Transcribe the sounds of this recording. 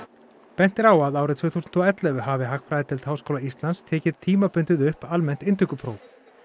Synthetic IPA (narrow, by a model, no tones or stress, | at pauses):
pɛn̥t̪ɪɾawaðaːwɾɪt̪ʰvœːθusʏnt̪ʰɔːɛt̪lɛɣʏɦavɪɦakfɾajɪt̪ʰɪlt̪haːwskowlaist̪lanst̪ʰɛːcɪðt̪ʰiːmapʏnt̪ɪðʏhpalmɛn̥t̪ɪnt̪ʏkʏpʰɾo̰ːw